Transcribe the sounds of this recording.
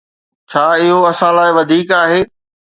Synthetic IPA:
t͡ɕʰaːɪɦoɐsãlaːɪʋɐd̪ʱiːkaːɦeː

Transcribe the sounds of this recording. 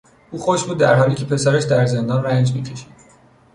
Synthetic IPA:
uːxoʃbuːd̪ːæɾɦɒːliːcʰʲe̞pʰe̞sæɾeʃd̪æɾze̞nd̪ɒːnræɲd͡ʒmiːcʰeʃi̥d̪̥

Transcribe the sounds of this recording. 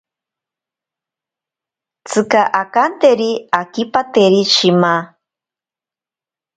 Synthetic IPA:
t͡sʰɨkaʔakant̪eɾiakipat̪eɾiʃima

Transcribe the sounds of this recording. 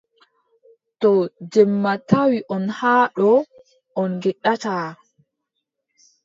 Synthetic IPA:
tɔd͡ʒɛmːatawiʔɔnhaːɗɔ | ʔɔnɡɛɗːataː

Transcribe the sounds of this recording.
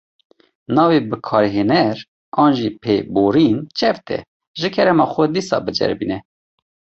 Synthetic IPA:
nɑːvebɨkʰɑːɾɦeːnɛɾ | ɑːnʒipʰeboːɾint͡ʃʰɛvt̪ʰɛ̰ | ʒɨkʰɛɾɛmɑxʷɛd̪iːsɑ̰ːbɨd͡ʒɛ̰ɾbiːnɛ

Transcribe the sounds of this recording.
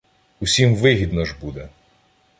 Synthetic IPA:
usʲimʋɪɦʲid̪nɔʒbud̪ɛ

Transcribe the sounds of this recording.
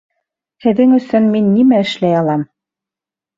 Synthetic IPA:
hɘ̆ðɘŋɵ̆sɵnminːimæɘ̆ʃlæjɑlˠɑm

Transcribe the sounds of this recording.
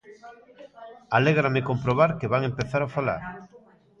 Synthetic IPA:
aleɣɾamɪkompɾoβaɾkeβaŋempeθaɾafala̰ɾ

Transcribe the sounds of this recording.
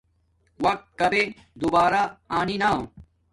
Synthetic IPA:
wɐk̚t̪̚kɐbe | d̪ubaːɾaaːninaːõ

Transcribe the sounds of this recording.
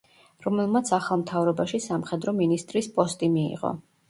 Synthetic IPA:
ɾɔmɛlˠmat̪sʰaχalˠmt̪ʰavɾɔbaʃisamχɛd̪ɾɔminist̪ʼɾispʼɔst̪ʼimiḭʁɔ̰

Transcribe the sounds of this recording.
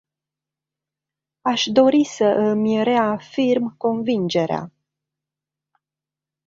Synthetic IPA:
aʃd̪o̞ɾisəʔɨmʲɾe̞afirmko̞nvind͡ʒe̞ɾea̰

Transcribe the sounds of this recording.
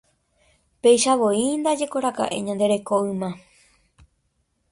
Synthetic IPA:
pe̞jʃaʋo̞ind̪ad͡ʒe̞koɾaka̰ʔḛ̃ɲãnd̪e̞ɾe̞koɨmã

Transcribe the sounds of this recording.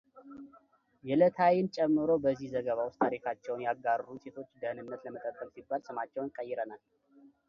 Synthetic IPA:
jɛlət̪ʰajɪnt͡ʃʼɛmːɨɾo̞bəzːihzəɡəβawʊst̪ʰaɾikʰat͡ʃːɛwnjaɡaɾɾuse̞t̪ʰo̞t͡ʃːd̪əhnɨnːət̪ləmət̪ʼəbʼːəlsibːalsɨmat͡ʃːɛwnkʼəjːɪɾənal

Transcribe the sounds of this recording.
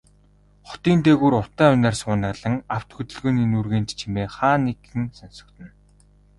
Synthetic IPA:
χʊ̥t̪iːnt̪eːɣuːɾʊt̪æːʊnaːrsʊːnăɮə̆ŋaw̥t̪xut̪ɵ̆ɮɣoːniːnurɣeːnt͡ɕt͡ɕʰimeːχaːnːekɘ̆ŋsɔnsɞ̥̆kt̪ɘ̆n

